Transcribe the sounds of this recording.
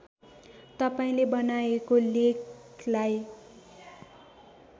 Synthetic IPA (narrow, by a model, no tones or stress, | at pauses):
t̪ʌpaĩlebʌnaekolek | laj